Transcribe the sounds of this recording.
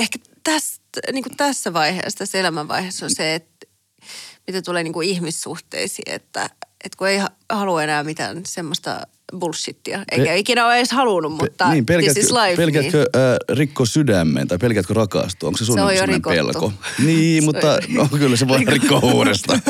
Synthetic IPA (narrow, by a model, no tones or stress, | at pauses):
ehkæ | t̪æst̪niːŋkut̪æsːæʋɑihḛːst̪æsːelæmæʋʋɑ̰ihesːonseet̪ | mit̪æt̪uleːniːŋkuihmissuht̪ḛisḭːḛt̪ːæ̰ʔet̪kueihɑ | hɑluenæːmit̪æ̰ːnsemːost̪ɑ̰ | bulsːit̪ːiɑʔḛikæikinæoleˑshɑlunummut̪ːɑniːmpelkætilɑiʋpelkeætːkøʔːrikːosydæmːḛnt̪ɑipelkeæːt̪̚kørɑkɑ̰st̪uo̰ŋksesusojjorimkopḛlko̰niːmut̪ːɑoŋkkylːæseʋɑrikːouːɾest̪ɑ